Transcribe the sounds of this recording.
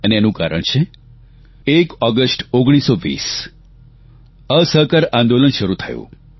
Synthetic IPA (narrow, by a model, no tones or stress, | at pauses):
əneenũka̰ɾə̰ɳt͡ʃʰe | ekɔɡəsʈoɡɽ̃isoʋḭs | əsəɦkəɾãnd̪olənʃəɾut̪ʰə̰jṵ̃